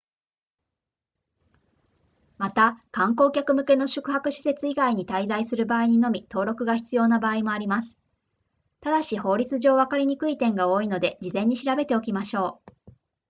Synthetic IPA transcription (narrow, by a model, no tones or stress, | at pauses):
mat̪akãŋko̞ːkʲakɯ̟mɯ̟ke̞no̞ɕɨ̥kɯ̟ɦakɯ̟ɕi̥se̞t͡sɨiɡaiɲ̟it̪aizaisɨɾɯ̟baːiɲ̟ino̞mʲit̪o̞ːɾo̞kɯ̟ɡaçi̥t͡sɨjo̞ːnabaːimo̞aɾʲimasɨ̥ | t̪ad̪aɕiho̞ːɾʲit͡sɨʑo̞ːβakaɾʲiɲ̟ikɯ̟it̪ẽ̞ŋɡao̞ːino̞d̪e̞d͡ʑizẽ̞ɲ̟ːiɕiɾabe̞t̪eo̞kʲimaɕo̞ː